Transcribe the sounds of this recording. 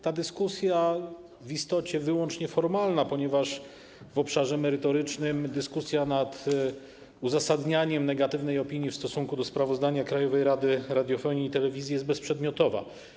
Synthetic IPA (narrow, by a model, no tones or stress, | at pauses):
t̪ad̪ɘskusʲja | vist̪ɔt͡ɕɛvɘwɔnt͡ʂɲɛfɔɾmalnapɔɲɛvaʂ | vɔpʂaʐɛmɛɾɘt̪ɔɾɘt͡ʂnɘmd̪ɘskusʲjanat̪ | uzasad̪ɲaɲɛmnɛɡat̪ɘvnɛjɔpʲiɲjifst̪ɔsuŋkud̪ɔspɾavɔzd̪aɲakɾajɔvɛjɾad̪ɘɾad̪ʲjɔfɔɲiːt̪ɛlɛvʲizʲjijɛst̪̚bɛspʂɛd̪mʲjɔt̪ɔva̰